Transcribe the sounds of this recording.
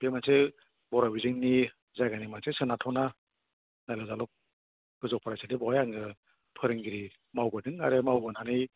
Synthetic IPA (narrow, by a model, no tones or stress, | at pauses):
b̥emanse | bɔɾabizɯŋni | zajɡanimansesɯnatʰɔna | najlazalɔk̚ | ɡ̥ɯzɔk̚pʰaɾajsadebɔajaŋɡɯ | pʰɯɾɯŋɡiɾi | mawbɯdɯŋaɾemawbɯnanɯj